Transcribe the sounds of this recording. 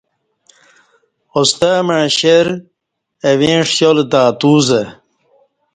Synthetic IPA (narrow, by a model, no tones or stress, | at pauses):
ost̪ameɻɕeɾ | ewẽːʂjold̪aːt̪uːze